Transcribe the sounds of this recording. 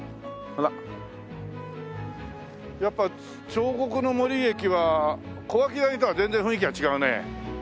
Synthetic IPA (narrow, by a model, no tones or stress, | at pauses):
hɯɾa | japːa | t͡ɕo̞ːko̞kɯ̟no̞mo̞ɾʲie̞kʲiβako̞βak̬ʲid̪aɲit̪oβazẽ̞nzẽɸɯ̟̃ik̬ʲiβat͡ɕiɡaɯ̟nḛ